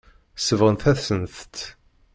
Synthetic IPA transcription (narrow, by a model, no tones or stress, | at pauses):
səvʁənθæθsənθt̪